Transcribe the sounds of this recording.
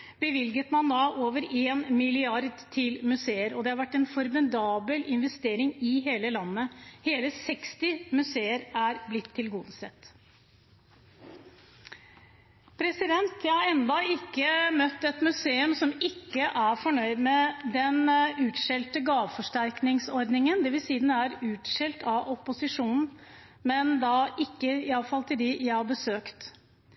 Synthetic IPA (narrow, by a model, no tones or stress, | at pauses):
bəʋɪlɡət̪mɑnd̪ɑʔoːʋəɾeːnmɪlɪɑɾd̪t̪ʰɪlmʉseːəɾɔd̪ɛhɑɾʋæʈːɛnfɔɾmɪd̪ɑːbəlʔɪnʋɛst̪eːɾɪŋɪɦeːləlɑnːəheːləsɛkst̪ɪmʉseːəɾæɾblɪt̪ʰːɪlɡuːd̪əsət̪ː | pʰɾɛsɪd̪ɛnt̪jæhɑɾɛnd̪ɑɪkːəmœt̪ːɛt̪mʉseːʉmsɔmɪkːəʔæɾfɔɳœʏd̪mɛd̪ɛnʉːt̪ʂɛlt̪əɡɑːʋfɔʂʈæɾknɪŋsɔɾd̪nɪŋənd̪ɛʋɪlsiːd̪ɛnæɾʉːt̪ʂɛlt̪ʰɑʔɔpːʊsɪʂuːnn̩ | mɛnd̪ɑʔɪkːəɪɑʋfɑlt̪ʰɪld̪ijæɪhɑɾbəsøːkt̪